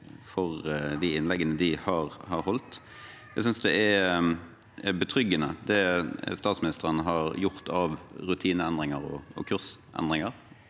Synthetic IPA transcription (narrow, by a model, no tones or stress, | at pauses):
fɔɾd̪iɪnlɛɡənəd̪ɪhɑːɾhɑɾhɔlt̪ | æsʏnsd̪ɛʔɛ | bət̪ʰɾʏɡːənəd̪ɛst̪ɑːt̪smɪnɪst̪əɾənəɦɑɾjʊʁt̪ʰɑʋɾʉt̪ʰiːnəɛnd̪ɾɪŋəɾɔ̰ɔ̰kʰʉʁsʔɛ̰nd̪ʁɪŋəɾ